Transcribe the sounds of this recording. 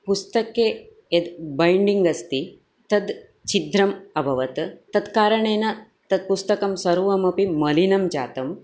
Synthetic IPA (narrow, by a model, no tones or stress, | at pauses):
pust̪ɐkːe | ed̪bɐjɳɖiŋɡɐst̪i | t̪ɐd̪ | t͡ʃid̪ɾɐmɐbʱɐʋɐt̪t̪ɐd̪kaːɾɐɳeːnɐ | t̪ɐd̪̚pust̪ɐkɐmsɐɾuʋɐmɐpimɐlinɐmd͡ʒa̰ːt̪ɐm